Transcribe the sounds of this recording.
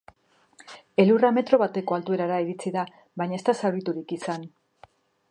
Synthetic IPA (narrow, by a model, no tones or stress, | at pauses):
e̞lurame̞t̪ɾo̞βat̪e̞ko̞alt̪ue̞ɾaɾaiɾit͡siða | βaɲae̞st̪asawɾit̪uɾikisan